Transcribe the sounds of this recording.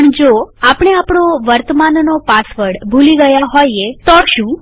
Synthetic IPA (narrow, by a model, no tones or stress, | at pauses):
pəɳd͡ʒoapəɳ̃eapɳoʋəɾt̪əmannopasʋəɾɽbʱuliɡəjaɦojet̪oʃũ